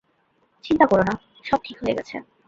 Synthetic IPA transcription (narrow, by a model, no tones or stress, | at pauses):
t͡ɕint̪akoɾona | ʃɔb̚ʈʰikɦoeɡɛt͡ɕʰḛ